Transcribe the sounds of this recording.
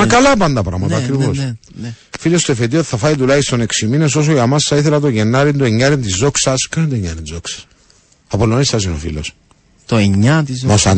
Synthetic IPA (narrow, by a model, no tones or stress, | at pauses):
ɐkɐlɐpɐnd̪ɐpɾɐ̰mɐt̪ɐːkɾivos | filo̞st̪oefet̪ioi̥θɐfɐit̪ulɐɣist̪o̞ne̞ksimine̞so̞s̬oʝɐmɐsθɐiθelɐt̪o̞ʝenːɐɾind̪ueɲːɐɾint̪izːoksɐskɐnd̪oeɲːɐɾinzoksɐ̥s | ɐpolːonisθɐsinofḭlo̞̰s | t̪oeɲːɐt̪izɐsɐn